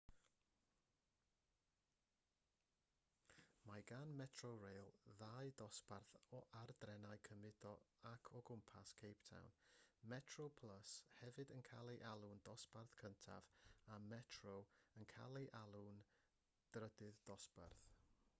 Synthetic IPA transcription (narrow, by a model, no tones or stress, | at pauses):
maɡanmɛtʰrorejlˠðaɨdɔsparθɔʔardrɛnaɨkʰəmɪdɔakʰɔɡʊmpʰaskʰejptʰa̰wnmɛtʰrowpʰl̥ˠəshɛvɨdənkʰalˠiʔalˠʊndɔsparθkʰəntʰa̰vamɛtʰrowənkʰa̰lˠiʔalˠun | d̥rədɨðdɔspa̰rθ